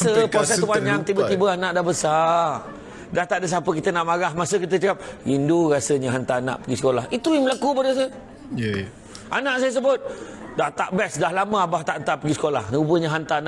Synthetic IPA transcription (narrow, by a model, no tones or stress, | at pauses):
səpɾosɛst̪upaɲak̚t̪ibət̪ibəanaʔdahbəsa | daht̪aʔdəs̬apəkit̪ənaʔmaɾahmasəkit̪̬ət͡ʃəɡap̚induɾasəɲəɦant̪ana̰ʔpəɡisə̥kolahit̪ujaməlakubadəs̬ajə | ʔa̰naʔsajəs̬əbʊt̪̚ | daht̪aʔbɛsdahlamə̃abaht̪aʔnt̪apəɡisə̥kolahnəubəɲəɦant̪ana